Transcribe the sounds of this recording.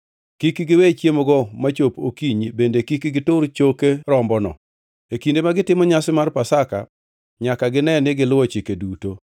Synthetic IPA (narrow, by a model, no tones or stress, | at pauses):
kikɡɪwet͡ʃjemɔɡɔmat͡ʃopokiɲbendekikɡɪtʊɾt͡ʃokeɾɔmbɔnɔ̰ | ekindemaɡɪtɪmɔɲasɪmarpasaka̰ | ɲakaɡɪnɛnɪɡɪlʊwɔt͡ʃikeduto